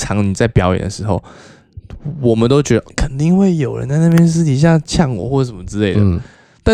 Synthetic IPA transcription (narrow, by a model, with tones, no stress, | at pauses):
ɑ˧˥ŋni˨˩t͡sa˥˩ɪpjɑ˧˥ʊjɛ̰˨˩nd̪ə̰˦˩ʂɻ̩˧˦xo˥˧˩ʊ | wɔ˨˩mə˨˦nt̪o˥ʊt͡ɕɥɛ˧˥d̪ə˧˩˥kʰə˨˩nt̪i˥˧ŋxwe˥˩ɪjo˨˩ʊɻə̰˧˦nt͡sa˥˧ɪna˥˧˩pjɛ˥nʂ̬ɻ̩˥˩i˨˧˩ɕ̬ja˥˧t͡ɕʰjɑ˥˩ŋwɔ̰˨˩˦xwɔ˥˩ə˩ʂə˨˩mə˦˩ʈ͡ʂɻ̩˥le˥˩ɪd̪ə | t̪a˥˧